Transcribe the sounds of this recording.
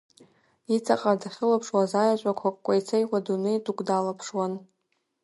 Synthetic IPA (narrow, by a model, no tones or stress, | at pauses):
it͡sʰʼaqʼardaχʲɪlapʰʂwazajat͡ʃʷʼakʷʰakʼkʷʼajt͡sʰajwʷadunejdukʷʼdalapʰʂwan